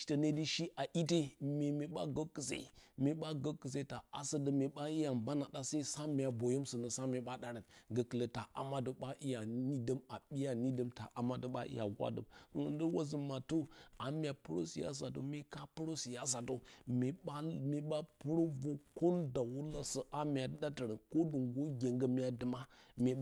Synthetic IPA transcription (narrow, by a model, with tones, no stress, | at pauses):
ʃtə˨ne˦di˦ʃi˦ʔa˨ʔi˦te˦me˨me˨ɓa̰˦ɡə˦kːə˨sḛ˨me˨ɓa˦ɡə˦kːə˨s̬e˦ta˨a̰˦sə˦də˦˨me˨ɓa˦i˦ja˨mba˦na˨da˦sa˦i˦sa˦m˨a˨bo˨jo˦msə˨nə˨sa˦me˨ɓa˦ɗa˦ɾə˨tɡə˨kə˨lə˨ta˨ʔa̰˨ma˦də˨ɓa˦ʔi˦ja˨ni˦də˦ma˨ɓi˦ja˨ni˦də˦mta˨ʔa˨ma˦də˦ɓa̰˦ʔḭ˦ja̰˨wa̰˦də̰˨mə˨wə̰˨ndə˦wa˦zə˨ma˨tu˦a˨mʲ˦a˨pu˦ɾo̰˦si˨ja̰˦s̬a˨to̰˨me˦ka˦pu˦ɾo˦si˨ja˦s̬a˨to˨me˨ɓa˦me˨ɓa˦pu˦ɾo˦vo˦ko˦nda˨wu˦la˦sə˨ʔa˦m˨ja˨˦da˦tə˨ɾə˨nko˦du˨ŋɡo˦ɡʲe˨ŋɡə˦m˦ja˨˦də˨ma˦mʲe˨